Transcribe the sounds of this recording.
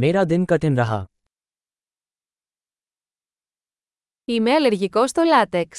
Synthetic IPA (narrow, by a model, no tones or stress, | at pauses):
meɾad̪enkɐʈenɾɐɦɐ̰ | ime̞ɐleɾʝiko̞st̪o̞lɐt̪eks